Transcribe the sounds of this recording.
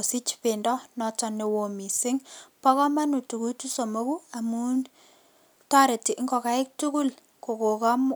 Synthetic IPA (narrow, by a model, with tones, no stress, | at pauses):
o˨si˦t͡ʃpendɔ˦nɔ˨t͡ʃɔ˦ne˨wo˨mi˨sɪ˦ŋpɔ˦kɔ˦ma˦nu˨tu˨ku˦tu˦so˨mo˦ku˦a˨mu˦n | ta˦ɾe˨ti˨ʔŋɡɔ˨ka˦ɪ˦k̚tu˦ku˦l | ko˨ko˨ka˦m